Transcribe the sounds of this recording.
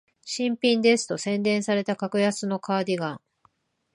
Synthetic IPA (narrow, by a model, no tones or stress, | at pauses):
ɕĩmpʲĩnd̪e̞sɨ̥t̪o̞sẽ̞nd̪ẽ̞ɰ̃saɾe̞t̪akakɯ̟jasɨno̞kaːd̪ʲiɡãŋ